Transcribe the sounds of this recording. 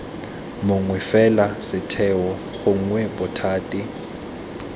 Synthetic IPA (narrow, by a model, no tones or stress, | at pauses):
mʊŋwɛfɛlasɪtʰɛwɔ | ɣʊŋ̩ŋwɛbʊtʰaːtʼɪ